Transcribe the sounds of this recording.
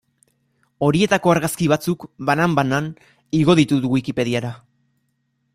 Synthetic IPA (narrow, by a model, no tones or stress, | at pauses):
o̞ɾie̞t̪ako̞aɾɣaskiβ̞at͡sukβanambanan | iɣ̞o̞ðit̪uðuɣuikipe̞ð̞iaɾa